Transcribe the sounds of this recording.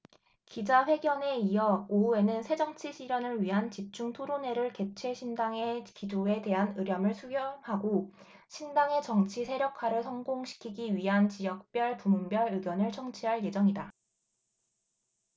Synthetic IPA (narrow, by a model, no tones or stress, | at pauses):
kid͡ʑaɸwe̞ɡjʌne̞iʌoue̞nɯnsʰe̞d͡ʑʌŋt͡ɕʰiɕʰiɾjʌnɯɭɥiɦant͡ɕip̚t͡ɕ͈uŋtʰoɾone̞ɾɯɭke̞t͡ɕʰwe̞ɕʰindaŋe̞kid͡ʑoe̞te̞ɦanɯɾjʌmɯɭsʰuɡjʌhaɡo | ɕʰindaŋe̞t͡ɕʌŋt͡ɕʰisʰe̞ɾjʌkʰaɾɯɭsʰʌŋɡoŋɕʰi̥kʰiɡiɥiɦant͡ɕijʌk̚p͈jʌɭpumunbjʌɾɯɡjʌnɯɭt͡ɕʰʌŋt͡ɕʰiɦaɭje̞d͡ʑʌŋida